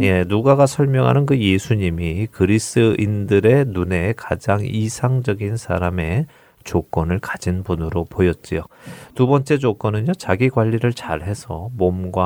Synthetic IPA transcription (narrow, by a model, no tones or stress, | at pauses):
je̞nuɡaɡasʰʌɭmjʌŋɦa̰nɯnkɯje̞sʰuɲimikɯɾisɯʔindɯɾe̞nune̞kad͡ʑaŋisʰaŋd͡ʑʌɡinsʰa̰ɾame̞ | t͡ɕok͈ʌnɯɭkad͡ʑinbunɯɾopojʌt̚t͡ɕ͈ijotubʌnt͡ɕ͈e̞d͡ʑok͈ʌnɯɲot͡ɕaɡiɡwaʎːiɾɯɭt͡ɕaɭɦe̞sʰʌmomɡwa